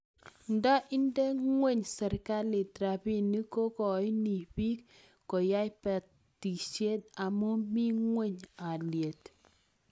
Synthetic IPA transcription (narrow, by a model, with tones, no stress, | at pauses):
nda˦ʔi˦ndɛ˦ŋwe˦˨ɲsɛ˨ɾka˦li˨tɾa˨pi˦ni˦ko˦kɔ˨i˦ni˨pi˦kː | o˨ja˦jpɛ˨t | tːi˨ʃe˦t̚a˨mu˦mi˦ŋwe˦˨ɲa˨lje˨t